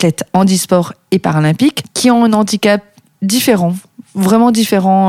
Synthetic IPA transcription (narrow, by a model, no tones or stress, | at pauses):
t̪lɛt̪ɑ̃d̪ispɔʁepaʁalɛ̃pikːiɔ̃ɛ̃nɑ̃d̪ikap̚ | d̪ifeʁɑ̃ | vʁɛmɑ̃d̪ifeʁɑ̃